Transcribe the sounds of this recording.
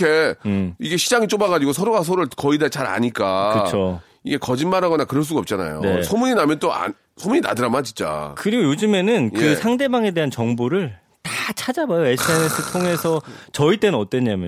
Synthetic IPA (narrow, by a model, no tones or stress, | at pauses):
e̞iɡe̞ɕʰid͡ʑaŋit͡ɕ͈omaɡad͡ʑiɡosʰʌɾoɡas̬ʰʌɾɯɭkʌidet͡ɕaɾa̰ɲik͈akɯt͡ɕʰo | iɡe̞kʌd͡ʑinmaɾaɡʌnakɯɾʌɭs̬͈uɡaʌp̚t͡ɕ͈ana̰jo̰nsʰʌmuɲinamjʌnt͈oa̰n | sʰomuɲina̰dɯɾamat͡ɕint͡ɕ͈a̰kɯɾiɡojod͡ʑɯme̞nɯnjkɯsʰaŋde̞baŋe̞de̞ɦant͡ɕʌŋboɾɯɭ | tat͡ɕʰad͡ʑabajoe̞s͈ʰɯenes͈ʰɯɭtʰoŋe̞sʰʌt͡ɕʌit͈e̞nɯnʌt͈weɲːamjʌ